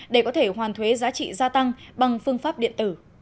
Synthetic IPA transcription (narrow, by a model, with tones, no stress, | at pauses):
ɗe˧˩kɔ˨˦t̪ʰe˧˩ɦwaː˨˩nt̪ʰwe˨˦zaː˨˦t͡ɕḭ˧˨zaː˧t̪a˧ŋɓa˨˩ŋfɨ˧əŋfaː˦˥p̚ɗḭ˧˨ənt̪ɨ˧˩